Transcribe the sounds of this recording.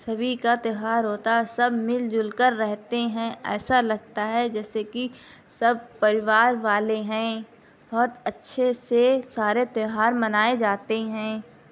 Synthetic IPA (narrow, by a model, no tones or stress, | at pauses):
sɐbʱikat̪ɪɦaːɾɦoːt̪aɦsɐbʱmɪld͡ʒʊlkəɾːɛɦt̪eɦɛ̃ɛ̰ːsalɐɡ̚t̪aɦɛd͡ʒɛːsekisɐb̚ʱpɐɾɪʋaːɾʋaːleɦɛ̃ː | bɔːt̪ɐtːʃʰesesaːɾet̪ɪɦaːɾmɐnaːed͡ʒaːt̪eɦɛ̃ː